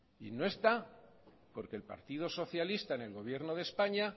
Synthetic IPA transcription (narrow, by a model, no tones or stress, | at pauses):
ḭno̞e̞st̪a | po̞ɾkelpa̰ɾt̪iðo̞so̞θjalist̪aene̞lɣo̞βje̞ɾno̞ð̞e̞spaɲa